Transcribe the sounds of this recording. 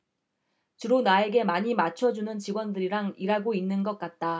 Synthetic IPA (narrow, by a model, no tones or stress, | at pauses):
t͡ɕɯɾonae̞ɡe̞maɲimat͡ɕʰʌd͡ʑunɯnt͡ɕiɡwʌndɯɾiɾaŋiɾaɡoinːɯnɡʌk̚k͈at̚t͈a